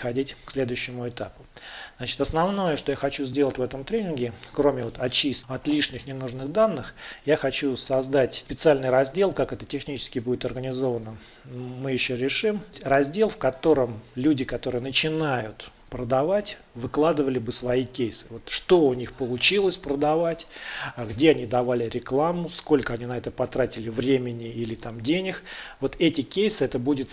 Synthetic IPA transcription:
xɐdʲitʲksʲlʲe̞d̪ʊjʏɕːɪmʊɪt̪apʊ̥zzat͡ɕɪ̥t̪ɐsnɐvno̞jəʂt̪o̞jaxɐt͡ɕuzʲdʲelˠətʲvɛt̪əmt̪ɾʲenʲɪnɡʲɪkɾo̞mʲɪvo̞t̪ɐt͡ɕisʲɐt̪lʲiʂnʲɪxnʲɪnuʐnɨɣd̪anːɨxjaxɐt͡ɕusɐzd̪atʲpʲɪt̪sɨalʲnɨjɾɐzʲdʲe̞lˠkakɛt̪ətʲɪxnʲit͡ɕɪ̥skʲɪbudʲɪt̪ɐrɡənʲɪzo̞vənə | mɨjɪɕːoɾʲɪʂɨmʲrɐzʲdʲe̞lˠfkɐt̪o̞ɾəmlʲudʲɪkɐt̪o̞ɾɨjənət͡ɕɪnajʊt̪ | pɾəd̪ɐvatʲ | vɨklˠad̪ɨvəlʲɪbɨsvɐikʲejsɨ̥vo̞t̪ʂt̪o̞ʊnʲixpəlˠʊt͡ɕilˠəsʲpɾəd̪ɐvatʲɡdʲe̞ɐnʲid̪ɐvalʲɪɾʲɪklˠamːʊsko̞lʲkəɐnʲinɐɛt̪əpɐt̪ɾatʲɪlʲɪvɾʲemʲɪnʲɪilʲɪt̪amdʲenʲɪxvo̞t̪ɛtʲɪkʲejsɨɛt̪əbudʲɪt̪

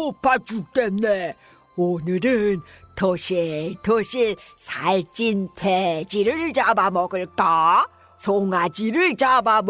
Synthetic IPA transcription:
op͈ːat͡ɕut͈emne | onɯɾɯntʌɕʰitʌɕʰisʰaɭt͡ɕ͈intʰwed͡ʑiɾɯɭt͡ɕabamʌɡɯɭk͈a | sʰoŋad͡ʑiɾɯɭt͡ɕabam

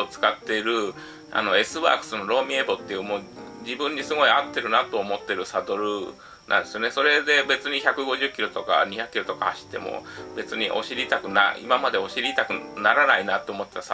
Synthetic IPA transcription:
ot͡sɨ̥kat̪ːe̞ɾɯ̟ | a̰no̞e̞sɨβa̰ːkɯ̟̥sɨno̞ɾo̞ːmʲĩebo̞t̪ːe̞jɯ̟mo̞ː | d͡ʑibɯ̟̃ɲ̟ːisɨɡo̞iat̪ːe̞ɾɯ̟nat̪o̞ːmo̞t̪ːe̞ɾɯ̟sad̪o̞ɾɯ̟ | nʔã̰nd̪e̞sɨjo̞ne̞so̞ɾe̞d̪e̞be̞t͡sɨɲ̟içakɯ̟ɡo̞ʑɨkʲiɾo̞t̪o̞ka̰ɲ̟içakɯ̥kʲiɾo̞t̪o̞kahaɕi̥t̪ːe̞̰mo̞̰be̞t͡sɨɲ̟iʔo̞̰ɕiɾʲit̪akɯ̟na̰ḭmamad̪e̞o̞ɕiɾʲit̪akɯ̟naɾanainat̪ːe̞omo̞t̪ːe̞t̪as

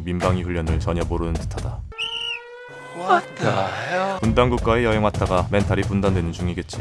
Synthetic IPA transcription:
mimbaŋiɸuʎːʌnɯɭt͡ɕʌɲʌmoɾɯnɯntɯ̥tʰada | t | pundaŋɡuk̚k͈ae̞jʌɦeŋwat͈ʰaɡame̞ntʰaɾipundandwe̞nɯnd͡ʑuŋiɡe̞t̚t͡ɕ͈i

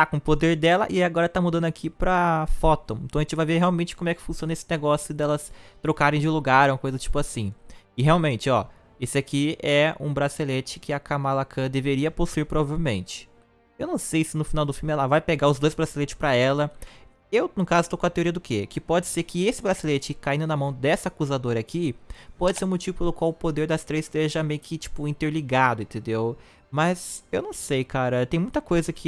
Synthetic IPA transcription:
t̪akõpod̪eɾd̪ɛlɐ̰ʔɪaɡɔɾɐt̪amud̪ɐ̃nd̪ʊakʰipɾɐfɔt̪õw̃ẽt̪ɐ̃ɐʒẽt͡ʃɪvajveɾɦeawmẽt͡ʃɪkomʊɛkɪ̥fũsiõnɐesɪneɡɔsjʊd̪ɛlɐst̪ɾokaɾẽj̃d͡ʒɪluɡaɾũmɐkojzɐt͡ʃi̥pʊasĩɪɦeawmẽnt͡ʃɪɔ̰ | esɪakiɛũbɾazilet͡ʃɪ̥kʰɪakamalakʰɐ̃d̪eveɾiɐposuiɾpɾovavewmẽnt͡ʃɪ̥ | ewnɐ̃w̃sejsɪnʊfinawd̪ʊfiumɪɛlɐvajpeɡaʊzd̪ojzbɾazilet͡ʃɪspɾɐɛlɐ | ewnʊkazʊst̪okõɐt̪eoɾiɐd̪ʊkekɪpɔd͡ʒɪseɾkɪesɪbɾazilet͡ʃɪkaĩnd̪ʊnɐmɐ̃w̃d̪ɛsɐakuzad̪oɾɐkipɔd͡ʒɪseɾũmot͡ʃivʊpelʊkwawʊpod̪eɾd̪ɐst̪ɾejst̪eʒɐmejʊkɪt͡ʃi̥pʊĩnt̪eɾliɡad̪ʊẽnt̪ẽnd̪ew | mɐzewnɐ̃w̃sejkaɾɐt̪ẽj̃mũj̃t̪ɐkojzɐkʰɪ

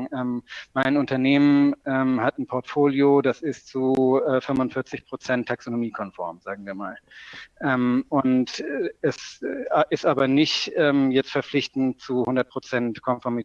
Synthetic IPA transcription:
ʔɛːmmaɪnʊntɐneːmənʔɛːmhatn̩pʰɔɐtfoːljodasɪstt͡suɛːfʏmʊntfɪɐt͡sɪçpʁ̥ot͡sɛntʰːaksonomiːkʰɔnfɔɐmzaːɡŋ̩viːɐma̰ːlʔɛːmʔʊntːɛsʔɪstaːbɐnɪçtʔɛːmjɛt͡stfɛɐflɪçtn̩tt͡suhʊndɐt̚pʁ̥ot͡sɛntkʰɔnfɔɐmi

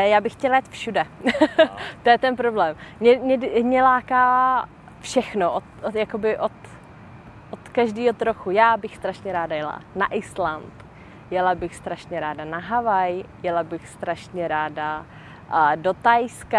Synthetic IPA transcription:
jaːbɪxːcɛlajɛt̪fʃudɛ | t̪ojɛt̪ɛnpɾoblɛːmmɲɛmɲɛmɲɛlaːkaː | fʃɛxnoʔot̪jakobɪʔot̪ | ʔot̪kaʒdiːɦot̪ɾoxujaːbɪxst̪ɾaʃɲɛɾaːdajɛla̰naʔɪslant̪ | jɛlabɪxst̪ɾaʃɲɛɾaːdanaɦavajjɛlabɪxst̪ɾaʃɲɛɾaːda | dot̪ajska

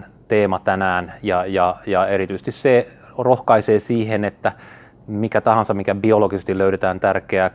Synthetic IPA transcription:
t̪eːmɑt̪ænæːnjɑjɑjɑeɾit̪yise̥t̪isse | rohkɑiseːsiːhenet̪ːæ | mikæt̪ɑhɑnsɑmmikæbioloɡisest̪iløyɾet̪æːnt̪ærkeæ

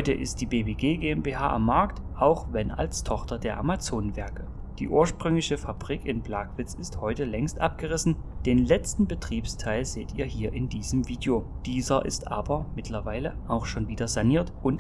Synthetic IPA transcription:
hɔʏtəʔɪ̰st̚d̥iːbeːbeːɡeːɡeːɛmbeːhaːʔa̰mːaɐkt | ʔaʊxvɛna̰lstʰɔχtɐdeːɐʔa̰mat͡soːnənvɛɐkə | d̥iːʔuːɐʃpʁ̥ʏŋlɪçəfabʁiːkɪnblaːkv̥ɪt͡sɪsthɔʏtəlɛŋstʔa̰p̚ɡ̥əʁɪsn̩ | d̥eːnlɛt͡stn̩bətʁ̥iːpstʰaɪlz̥eːtiːɐɦiːɐʔɪndiːzəmviːdjoːd̥iːzɐʔɪ̰stʔa̰ːbɐmɪtʰlɐvaɪləʔaʊxʃoːnviːdɐzaniːɐtʔʊnt

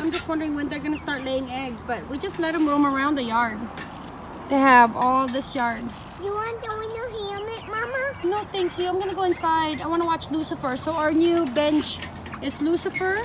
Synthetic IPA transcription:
ãɪ̃md͡ʒʌst̚wʌ̃ndə˞ɪ̃ŋwɨ̃nðə˞ɡʌnɨstɑɹtˡleɪɪ̃ŋɛɡzbʌt̚wid͡ʒʌstˡlɛɾ̚hɨ̃mɹũmə˞ãʊ̃nðɨjɑɹd̚ | tɨəvɔlˠðɪsjɑɹd̥̚ | jɨwɑ̃ndowinoɦimɪt̚mɑmənoʊθæ̃ŋkfuãɪ̃mɡʌnəɡoʊɨ̃nsaɪɾaɪwɑ̃ñəwɑt͡ʃlusəfə˞soʊəə˞njʉbɛ̃nt͡ʃ | ɨzlusɨfə˞

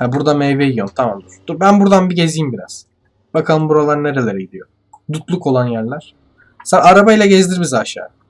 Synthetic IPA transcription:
habuɾd̪amejvejjont̪ʰamamd̪uɾ̥d̪̥uɾbænbuɾd̪anbiɟezijːimbiɾa̰z̥ | b̥akʰalˠɯmbuɾalˠaɾne̞ɾe̞lʲeɾɛɟid̪ijo | d̪ut̪lˠuko̞lˠanjæɾlʲæɾ̥ | sanaɾabajlˠaɟezd̪iɾbizaʃa̰ː

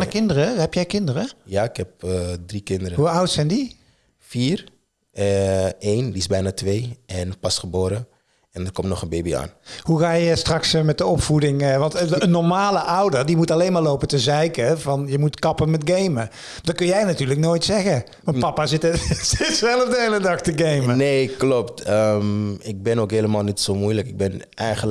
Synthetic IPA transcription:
nəkɪndərəhɛpjɛjkɪndərəjaːɪkhɛp̚drikɪndəɾəɦuawtsɛjndi | fiːr | ejndiɪszbɛjnaːtʋeːɛnpɑsχəboːɾə | ɛndərkɔmtnɔχənbejbia̰ːnhuɣaːjəstrɑksmɛt̚dəɔpfudɪŋʋɑntənːɔɹmaːləʔawdərdimutalejnmaːrlowpəntəzɛjkəvɑnjəmutkɑpənmɛtɡejmə | dɑt̚kɵnjɛjnatyːrləknoːjtsɛɣə | ʋɑnpɑpaːzɪtsɪsʋɛlˠəfdəelədɑxtəɡejməneːklɔptəmɪk̚bɪnowkɦeːləmaːlˠnitsomujləkɪɡ̚bɛn | ɛjχəl

